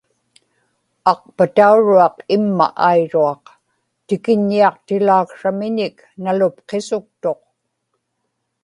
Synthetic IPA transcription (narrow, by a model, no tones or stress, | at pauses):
ɑq̚pat̪auɻuɑqɪmːa̰ʔaiɻuɑq | t̪ɪkɪɲːiɑqt̪ɪlaːkʂamɪɲɪk | nalʊp̚qesʊk̚t̪o̞q